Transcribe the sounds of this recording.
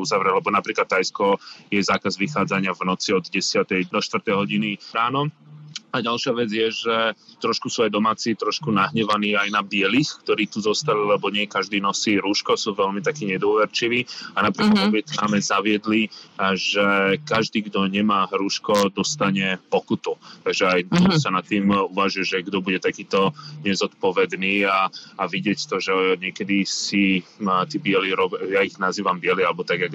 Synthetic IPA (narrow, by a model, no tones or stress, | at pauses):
uzaʋɾɛlɛbɔnapɾiːklat̪ːajskɔjɛzaːkazʋixaːd͡zaɲɪavnɔt͡siɔd̪ɟɛsɪat̪ɛjd̪ɔʃt̪ʋr̩t̪ɛjɦɔɟiniɾaːnɔaɟalʃɪaʋɛd͡zjɛʒɛt̪ɾɔʃkusuːajd̪ɔmaːt͡siːt̪ɾɔʃkunaɦɲɛʋaniːajnabɪɛliːxkt̪ɔɾiːt̪uzɔst̪alilɛbɔɲɪɛjɛkaʒd̪iːnɔsiːɾuːʃkɔsuːʋɛʎmit̪akiːɲɛd̪ʊɔʋɛɾt͡ʃiʋiːanapɾiːklad̪ɔbɛk̪namɛzaʋɪɛd̪liʒɛkaʒd̪iːɡd̪ɔɲɛmaːɾuːʃkɔd̪ɔst̪aɲɛpɔkut̪ut̪aɡʒɛajɔsanat̪ːiːmuʋaːʒɛʒɛɡd̪ɔbuɟɛt̪akiːt̪ɔɲɛzɔt̪pɔʋɛd̪niːaːʋiɟɪɛct̪ɔʒɛɲɪɛkɛd̪isit̪iːbɪɛliɾɔbjaiɣnaziːʋambɪɛlialɛbɔt̪aɡjaɡ